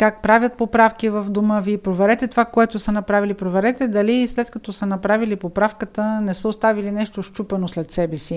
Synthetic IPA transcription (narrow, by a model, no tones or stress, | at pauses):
kak̚pɾavʲət̪̚popɾafkivəvd̪oməviːpɾovɛɾɛt̪ɛt̪ovakoɛt̪osənɐpɾavilipɾovɛɾɛt̪ɛd̪ɐlislɛt̪kɐt̪ɔsənɐpɾavilipopɾafkət̪ənɛsəost̪avilinɛʃt̪oʃt͡ʃupɛnoslɛt̪sɛbɛsi